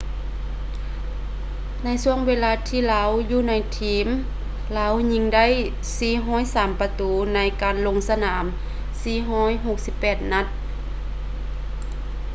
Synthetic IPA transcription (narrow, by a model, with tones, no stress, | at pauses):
na˧˥jsu˧əŋweː˧˥laː˧t̪ʰiː˧˨laː˧˥wjuː˧na˧˥jt̪ʰiː˧˥m | laː˧˥wɲi˧˥ŋda˥˨j | siː˧ɦɔː˧˥˨jsaː˨˦mpa˧t̪uː˨˦na˧˥jkaː˨nlo˧ŋsa˧naː˨˦m | siː˧ɦɔː˧˥˨jɦo˧˩k̚si˧˦pːɛː˨˩t̪̚na˧˥t̪̚